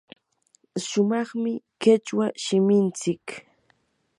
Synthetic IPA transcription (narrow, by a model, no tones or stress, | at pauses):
ʃʊmɑχmɪkɪt͡ʃwaʃɪmɪnt͡sɪk